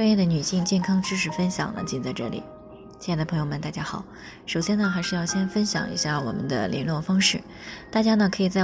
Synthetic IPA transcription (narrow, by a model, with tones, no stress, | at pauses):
jɛ˥˩d̪ə˩ny˨˩ɕi˥˧ŋt͡ɕjɛ˥˩nkʰɑ˥ŋʈ͡ʂɻ̩˥ʂɻ̩˥˩fə˥nɕjɑ̰˨˩ŋlə̰˦t͡ɕi˥nt͡sa˥˧ɪʈ͡ʂɤ̰˥˩lḭ˨˩˦ | jd̪ə˩pʰɤ˧˥ŋjo˧mə˨˩nt̪a˥˩t͡ɕja˥xɑ˨˩˦ʊ | ʂo˨˩ʊɕjɛ˥nə˨xa˧˥ɪʂɻ̩˥˧jɑ˥˩ʊɕjɛ˥nfə˥nɕjɑ̰˨˩ŋʔḭ˧˥ɕja˥˩wɔ̰˨˩mə̰˦nd̪ə̰˧lʔɛ̰˧˥nlwɔ˥˩fɑ˥ŋʂɻ̩˥˩ | t̪a˥˩t͡ɕja˥nə˨˩kʰɤ˧˥i˨˩t͡sa˥˩ɪ